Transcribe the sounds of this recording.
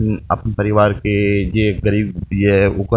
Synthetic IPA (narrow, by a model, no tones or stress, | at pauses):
ɐ̰pnpɐɾɪʋaːɾked͡ʒeɡɐɾiːbd̪iɛʊkə